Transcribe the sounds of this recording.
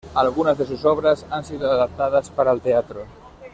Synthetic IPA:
alɣunazðes̬usɔβ̞ɾasansiðoaðap̚t̪að̞aspaɾaelt̪eat̪ɾo

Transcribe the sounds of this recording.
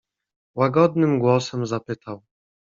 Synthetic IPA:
waɡɔd̪nɘmɡwɔsɛmzapɘt̪aw

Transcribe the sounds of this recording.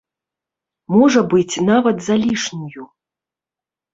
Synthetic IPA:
mɔʐɐbɨt͡sʲnavɐt̪zalʲiʂnuju

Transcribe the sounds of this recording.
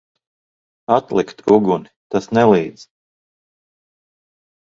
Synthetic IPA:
at̪lˠikt̪uɡunit̪asnɛlˠiːd̪z̥

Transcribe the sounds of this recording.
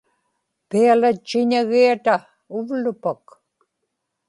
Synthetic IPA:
pialat͡ʃːɪɲaɣiat̪a | ʊvlʊpak

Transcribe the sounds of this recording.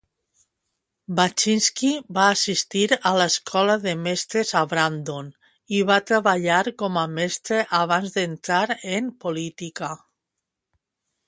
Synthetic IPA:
bat͡ʃinskibaːsist̪iɾalaeskʰɔlaðemest̪ɾezaβɾand̪on | iβat̪ɾaβaʎaɾkɔmamest̪ɾeʔaβ̞anzd̪ent̪ɾaɾempolit̪ika

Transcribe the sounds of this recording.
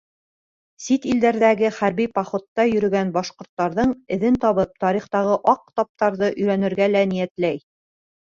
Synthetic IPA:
sit̪ild̪æɾðæɡɘχæɾβipɑχot̪ːɑjɵ̆ɾɵ̆ɡænbɑʃqŏɾt̪ːɑɾðɤɴɘ̆ðɘnt̪ɑβɤp̚t̪ɑɾiχt̪ɑʁɤʔɑq̚t̪ɑp̚t̪ɑɾðɤʔɵ̆jɾænɘ̆ɾɡælænijæt̪læj

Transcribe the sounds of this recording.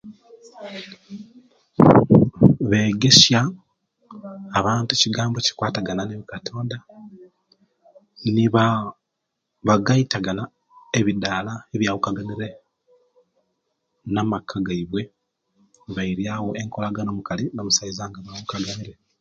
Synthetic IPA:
βe̞ːɡe̞sja | βaːntuciɡaːmboci̥kwaːtaɡananeβikatʰo̞ːnda | niβa | βaɡaitaɡana | e̞βidaːlaeβjawukaɡaniɾe̞ | namakʰːaɡaiβwe̞ | βaiɾjaːwo̞ʔeŋko̞laɡano̞mukalinomusaizaːŋɡaβawukaɡaniɾe̞

